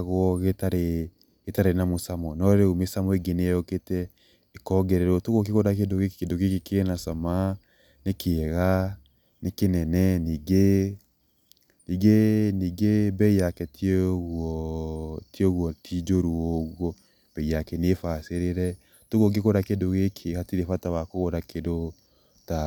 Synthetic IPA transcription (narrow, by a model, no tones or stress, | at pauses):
ɣɔɣetaɾe | ɣetaɾenamosamɔnɔɾeomesamɔeɡeneɔketɛ | ekɔɡɛɾeɾɔtoɣok̬ekoɾak̬edokekedokekekeenasama | nekʰeɣa | nekenɛnɛniɡe | niɡeniɡebɛiakɛtʰieɣwɔ | tjoɣwɔtʰid͡ʒoɾuoɣɔ | b̥ɛijakɛnefaseɾeɾɛ | toɣok̬ekoɾakedoɣekʰeɣatiɾefatawakoɣoɾakʰedo | ta